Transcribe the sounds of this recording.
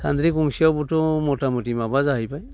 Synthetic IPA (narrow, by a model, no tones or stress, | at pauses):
sa̰nd̪ɾikumsiabutɔmɔtamutimabazaɦipaj